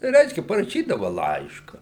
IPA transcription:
ˈrʲɛɪʃʲkʲɛ pɐrɐˈʃʲiːdɐʋɐ ˈlˠɐɪʃkɐ

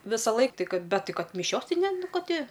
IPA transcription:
ʋʲɪsɐˈlˠɐɪk ˈtɐɪ ˈkɐt ˈbʲɛt ˈtɐɪ ˈkɐt mʲɪˈʃʲoːsˈtɐɪ ˈnʲɛ ˈnʊ ˈkɐ ˈtʲɪ

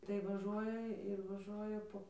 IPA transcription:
tɐɪ ʋɐˈʒuɔjɛ ɪr ʋɐˈʒuɔjɛ ˈpoː

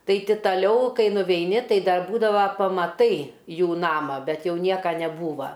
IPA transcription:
ˈtɐɪ ˈtʲɪ tɐˈlʲɛʊ ˈkɐɪ nʊʋʲɛɪˈnʲɪ ˈtɐɪ ˈdɐr ˈbuːdɐʋɐ pɐmɐˈtɐɪ ˈjuː ˈnɑːmɑː ˈbʲɛt ˈjɛʊ ˈnʲiɛkɐ nʲɛˈbuːʋɐ

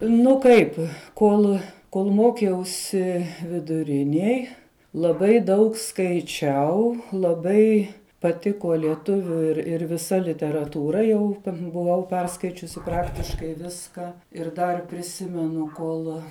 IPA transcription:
ˈnʊ ˈkɐɪp ˈkoːlˠ koːlˠ ˈmoːkʲɛʊsʲɪ ʋʲɪdʊˈrʲɪnʲiɛj lˠɐˈbɐɪ ˈdɐʊk skɐɪˈt͡ʃʲɛʊ lˠɐˈbɐɪ pɐˈtʲɪkoː lʲiɛˈtʊʋʲʊ ɪr ɪr ʋʲɪˈsɐ lʲɪtʲɛrɐtuːˈrɐ jɛʊ bʊˈʋɐʊ ˈpʲɛrskɐɪt͡ʃʲʊsʲɪ ˈprɑːktʲɪʃkɐɪ ˈʋʲɪskɐ ɪr dɐr pʲrʲɪˈsʲɪmʲɛnʊ ˈkoːlˠ

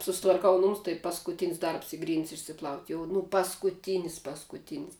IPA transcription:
sʊsʲɪtʋɐrˈkɐʊ ˈnʊmʊs tɐɪ pɐskʊˈtʲɪnʲɪs ˈdɐrps ˈiː ˈɡrʲiːnʲtʲsʲ ɪʃʲsʲɪˈplˠɐʊtʲ jɛʊ nʊ pɐskʊˈtʲiːnʲɪs pɐskʊˈtʲiːnʲɪs

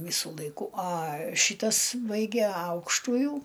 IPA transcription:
ˈʋʲiːsʊ lˠɐɪˈkʊ ɐ ˈʃʲiːtɐs ˈbɐɪɡʲɛ ˈɐʊkʃtʊjuː

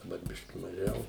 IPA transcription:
dɐˈbɐr ˈbʲɪʃʲkʲɪ mɐˈʒʲɛʊ

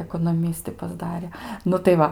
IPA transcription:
ɛkoːnoːˈmʲɪsʲtʲɪ pɐzˈdɑːrʲɛ ˈnʊ tɐɪ ˈʋɐ

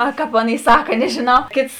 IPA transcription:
ɐ ˈkɐp ˈɑːˈnʲeːɪ ˈsɑːkɐ nʲɛʒʲɪˈnɐʊ ˈkʲeːts

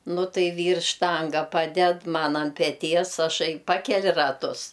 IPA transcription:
ˈnʊ ˈtɐɪ ˈʋʲiːrs ˈʃtɐŋɡɐ ˈpɑːdʲɛt ˈmɐn ɐnt pʲɛˈtʲiɛs ɐˈʃɐɪ ˈpɑːkʲɛlʲɪ rɐˈtʊs

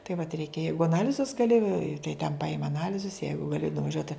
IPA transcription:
tɐɪ ʋɐt ˈrʲɛɪkʲɛ ˈjɛɪɡʊ ɐˈnɑːlʲɪzʊs ɡɐˈlʲɪ tɐɪ tʲɛn pɐˈɪmɐ ɐˈnɑːlʲɪzʊs ˈjɛɪɡʊ ɡɐˈlʲɪ nʊʋɐˈʒʲuɔt

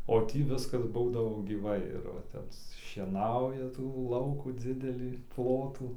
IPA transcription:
oː ˈtʲiː ˈʋʲɪskɐs ˈbuːdɐʋoː ɡʲiːˈʋɐɪ ɪr ʋɐ ˈtʲɛp ʃʲiɛˈnɐʊjɛ tuː ˈlˠɐʊkuː ˈd͡zʲɪdʲɛlʲiː ˈplˠoːtuː

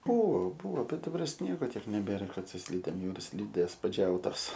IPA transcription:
ˈbuːʋoː ˈbuːʋoː bʲɛt dɐˈbɐr ˈsʲnʲiɛɡoː ˈtʲiɛk nʲɛˈbʲeːrɐ ˈkɐt sʊ ˈsʲlʲiːdʲeːm ˈjɛʊ ɪr ˈsʲlʲiːdʲeːs pɐˈd͡ʒʲɛʊtoːs

